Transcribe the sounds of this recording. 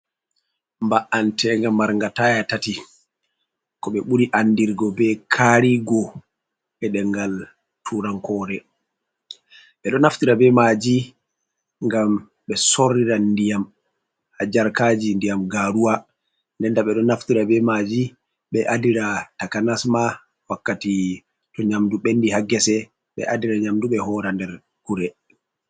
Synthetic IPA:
mbaʔantʰɛŋɡamːaɾŋɡatajatati | kɔɓɛɓuɾiʔanːdiɾɡɔbɛkʰaɾiɡɔ | ɓɛɗɛŋɡal | tʰuɾaŋkɔːɾɛ | ɓɛɗɔnaftiɾabɛmad͡ʒi | ŋɡam | ɓɛsorːiɾandijam | had͡ʒaɾkaːd͡ʒindijamɡaɾuwa | ndɛndaɓɛɗɔnaftiɾabɛmad͡ʒi | ɓɛʔadiɾatakanasma | wakːati | tɔɲamduɓendihaɡɛsɛ | ɓɛ̰ʔadiɾaɲamduɓɛhɔɾandɛɾ | kuɾɛ

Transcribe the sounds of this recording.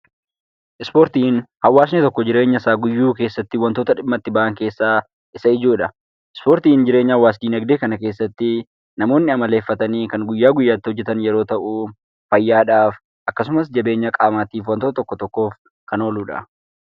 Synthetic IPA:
ʔɪspoːɾt̪iːnhɐwːaːs̬nɛt̪ɔkːɔd͡ʒɪɾe̞ːɲːɐsaːɡʊjːuːke̞ːsːɐt̪ːɪwɐnt̪oːt̪ɐᶑɪmːɐt̪ːɪbɐʔɐŋke̞ːsːaː | ʔɪsɐɪd͡ʒoːᶑɐ | ʔɪspoːɾt̪iːnd͡ʒɪɾe̞ːɲːawaːs̬d̪iːnɐɡd̪eːkɐnɐke̞ːsːɐt̪ːɪ | nɐmo̞ːnːɪɐmɐle̞ːfːɐt̪ɐniːkɐŋɡʊjːaːɡʊjːaːt̪ːɪhɔd͡ʒːɛt̪ɐnjɛɾo̞ːt̪ɐʔu | fɐjːaːᶑaːf | ʔɐkːɐs̬ʊmɐs̬d͡ʒɐbe̞ːɲːɐkʼaːmaːt̪iːfwɐnt̪oːt̪ɔkːɔt̪ɔkːo̞ːf | kɐno̞ːluːᶑɐ̰

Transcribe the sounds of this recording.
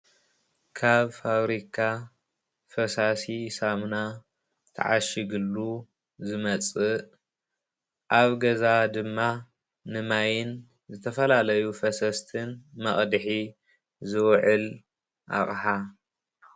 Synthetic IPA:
kʰaβfaβɾikʰa | fɐsasisamna | t̪ʰɐ̰ʕa̰ʃiɡɨlːu | zɨmɐt͡sʼɨ | ʔaβɡɐzad̪ɨmːa | nɨmajɪn | zɨt̪ʰɐfɐlalɐjufɐsɐst̪ʰɨnmɐχʼd̪ɨħi | zɨwʕɨl | ʔa̰χʼħa

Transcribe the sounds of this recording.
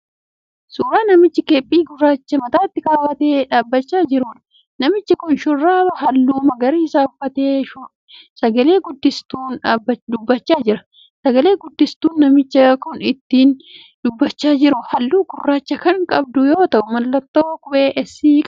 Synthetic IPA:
suːɾaːnɐmɪt͡ʃːɪkeːpʼːiːɡʊrːaːt͡ʃːɐmɐt̪aːt̪ːɪkɐːwɐt̪eːᶑaːbːɐt͡ʃːaːd͡ʒɪɾuːn | nɐmɪt͡ʃːɐkʊnʃʊrːaːbɐɦɐlːuːmɐɡɐɾiːsaːʊfːɐt̪eːʃʊ | sɐɡɐle̞ːɡʊd̪ːɪst̪uːnᶑaːbːɐd̪ʊbːɐt͡ʃːaːd͡ʒɪɾɐ | sɐɡɐle̞ːɡʊd̪ːɪst̪uːnːɐmɪt͡ʃːɐkʊnɪt̪ːiːn | d̪̥ʊbːɐt͡ʃːaːd͡ʒɪɾʊhɐlːuːɡʊrːaːt͡ʃːɐkɐŋkʼɐb̚d̪ʊjo̞ːt̪ɐʔʊmɐlːɐt̪ːoːkʼʊbe̞ːʔɛsiːkʼ

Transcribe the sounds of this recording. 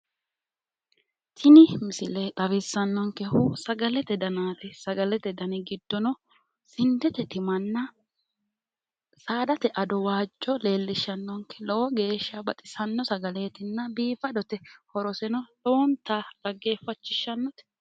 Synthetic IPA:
t̪ʰɪnɪmɪsɪleːt̪ʼɐβɪsːɐnːɔŋkɛhʊsɐɡɐlɛt̪ɛd̪ɐnaːt̪ɛsɐɡɐlɛt̪ɛd̪ɐnɪɡɪd̪ːɔnɔ | sɪnd̪ɛt̪ɛt̪ɪmɐnːɐ | saːd̪ɐt̪ɛʔɐd̪ɔwaːd͡ʒːɔle̞ːlːɪʃɐnːɔŋkɛlɔwɔɡe̞ːʃːɐbɐt̪ʼɪsɐnːɔsɐɡɐle̞ːt̪ɪnːɐbiːfɐd̪ɔt̪ɛhɔɾɔsɛnɔloːnt̪ad̪ɐɡe̞ːfːɐt͡ʃːɪʃːɐnːɔt̪ɛ̥

